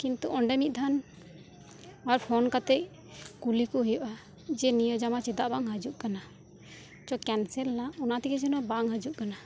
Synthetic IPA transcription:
kint̪uʔɔɳɖɛmit̪̚ˀd̪ʱan | aɾpʰɔnkat̪ɛc̚ | kulikɔɦujɔʔa | d͡ʒɛnijɔd͡ʒamat͡ʃid̪aʔbaŋɦəd͡ʒuʔkana | t͡ʃɔkɛnsɛlːaɔnat̪ikɛd͡ʒɔnɔbaŋɦəd͡ʒuʔkana

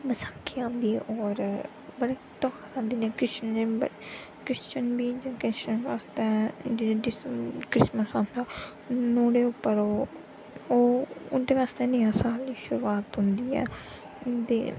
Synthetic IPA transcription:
məsaːkʰijãːb̪iːɔːɾ | bəɽeːt̪ɔːkaɾãːnd̪iːneːkɾɪʃənd͡ʒeːbə | kɾɪst͡ʃənbiːd͡ʒãːkɾɪst͡ʃənʋaːst̪ɛːd͡ʒeːɽiːɖɪskɾɪsməsãːnd̪aː | noːɽeːʊpːəɾoː | oːd̪eːʋaːst̪eːnejãːsaːlːiːʃʊɾuaːt̪ɦʊnd̪iːɛ̰ː | t̪ḛː

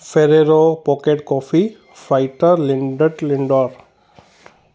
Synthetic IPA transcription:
fʰeɾeɾopɔkeʈkɔfʰi | fɾaɪʈəɾliɳɖəʈliɳɖɔɾ

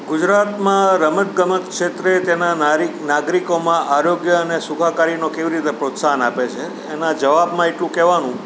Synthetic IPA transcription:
ɡud͡ʒɾat̪mãɾəmət̪ɡəmək̪kʃet̪ɾet̪enaaɾinaɡɾikomãʔaɾoɡjəənesukʰakaɾinokeʋiɾit̪epɾot̪saɦənapet͡ʃʰeːnad͡ʒəʋabmãeʈlũkɛʋanũ

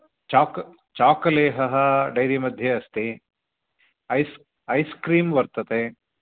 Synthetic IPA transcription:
t͡ʃaːk | t͡ʃaːkɐleːɦɐɦɐ̆ɖɐjɾimɐd̪ʱjɐɐst̪i | ɐjs | ɐjskɾiːmʋɐɾt̪ɐt̪e

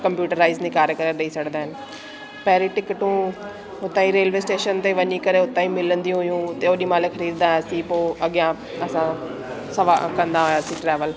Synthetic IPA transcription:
kɐ̃mpjuːʈəɾːaːɪznikaːɾəkəɾəɗɐiːsɐɽd̪aːɪnɪ̆ | pɛɦɾiʈɪkʈũː | ʊt̪ãːĩɾeːlʋeːsʈeːʃənt̪eʋɐɲikɐɾeʊt̪ãːĩmɪlə̃nd̪ijũɦɪjũːt̪eoːɗĩːmaːlexəɾiːd̪d̪aːsiːpoːəɠjã | ɐsã | sɐʋa̰kɐ̃nd̪aɦojaːsĩʈɾɛːʋəl

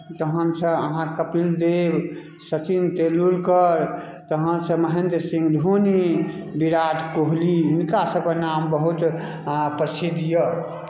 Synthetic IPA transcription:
t̪əɦənsə̃əɦãkəpɾild̪eb | sət͡ʃint̪eluɾkəɾ | t̪əɦənsə̃məɦend̪ɾsĩŋɡd̪ʱonibiɾat̪koɦliinkasəbkənambəɦut̪ | pɾəsid̪jə

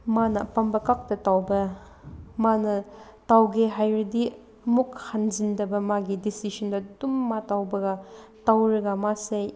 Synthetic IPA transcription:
manɐpɐmbɐkak̚tɐtawbɐ | manɐ | tawɡeɦajɾɐdi | mukhanzindɐbɐmaɡidisisɐndɐdumːatawbɐɡɐtawɾɐɡɐmasej

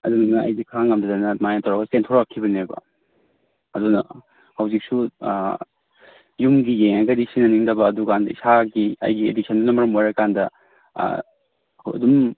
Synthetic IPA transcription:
ɐ̰dunɐnɐɐ̰jdikʰɾaŋɡɐmdɐdanɐmajantʰawɾaɡɐstentʰɔɾakʰːibɐnebɐ̰ | ɐdunɐ̰ | hɐwzik̚su | jumɡijeŋajɡɐdisinɐniŋdɐbɐːdukandɐḭsaɡiɐ̰jɡiḛdisʰɐndunɐmɐɾɐmojɾɐkandɐ̰ | dum

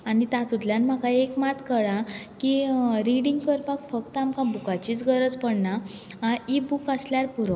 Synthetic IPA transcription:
anit̪at̪ut̪ljanm̤akaekmat̪kəɭakiɾiɽĩŋɡkəɾpakfək̚t̪amkabukat͡ɕiːt͡sɡəɾəd͡zpəɽnaãibukəsljaɾpuɾo

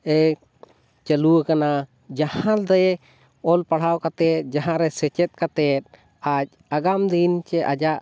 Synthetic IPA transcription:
ɛ | t͡ʃəluwəkana | d͡ʒahãld̪ɛj | ɔlpaɽ̤awkat̪ɛt̪̚d͡ʒaɦãɾɛsɛt͡ʃɛt̪̚ˀkat̪ɛt̪̚ | ac̚aɡamd̪int͡ʃɛʔad͡ʒaʔ

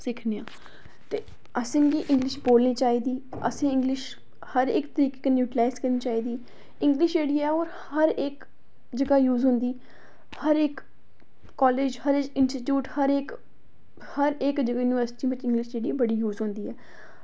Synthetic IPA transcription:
sɪkʰneãː | t̪eː | əsẽːɡiːʔɪ̃ŋɡlɪʃboːlniːt͡ʃaːiːd̪iː | ə̰sẽːɪ̃ŋɡlɪʃ | həɾɪkt̪əɾiːkeːkeːnjuːʈɪlaːɪzkəɾniːt͡ʃaːiːd̪iː | ɪ̃ŋɡlɪʃd͡ʒeːɽiːaɛːɔːɾ | həɾeːk | d͡ʒəɡaːjuːzɦʊnd̪iː | həɾɪkː | ɔːleːd͡ʒhəɾed͡ʒkɪnsʈɪʈjuːʈhəɾeːk | həɾekd͡ʒəɡaːjuːniʋəɾsʈiːʋɪt͡ʃɪ̃ŋɡlɪʃd͡ʒeːɽibəɽiːjuːzɦʊ̃nd̪iːɛː

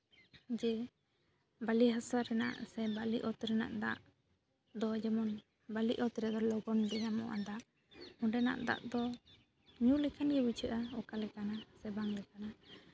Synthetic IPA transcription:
d͡ʒɛ | baliɦasaɾɛna̰ʔsɛbaliʔɔt̪ɾɛna̰ʔd̪a̰ʔ | d̪ɔd͡ʒɛmɔn | baliʔɔt̪ɾɛd̪ɔlɔɡɔnɡɛɲamɔ̰ʔa̰d̪aʔ | ɔɖɛna̰ʔd̪a̰ʔd̪ɔ | ɲulɛkʰanɡɛbit͡ʃʰəʔaɔkalɛkanasɛbaŋlɛkana

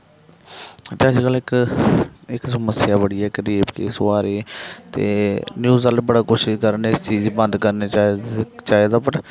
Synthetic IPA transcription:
t̪ad͡ʒkəlɪk | ɪksəməsɪjaːbəɽiɛːkəɾiːbkḛːsoaːɾeːt̪ḛːnjuːzalbəɽaːkoːʃɪʃkəɾneɪst͡ʃiːzbənd̪kəɾneːt͡ʃaːt͡ʃaːeːd̪aːpəʈ

